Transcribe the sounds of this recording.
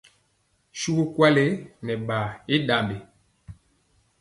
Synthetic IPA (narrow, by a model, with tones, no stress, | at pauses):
ʃu˦ku˦kwa˦le˦nɛ˨ɓa˨e˦ɗa˨mbe˨